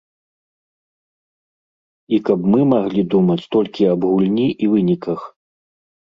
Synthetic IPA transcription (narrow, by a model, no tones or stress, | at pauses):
ikɐpmɨmaɣlʲid̪umɐt͡sʲt̪ɔlʲkʲiɐbɣulʲnʲiʔivɨnʲikɐx